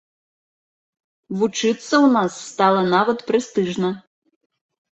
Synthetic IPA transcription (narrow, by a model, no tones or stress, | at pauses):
vut͡ʂɨt̪sːɐwnasːt̪alˠɐnavɐt̪pɾɛst̪ɨʐnɐ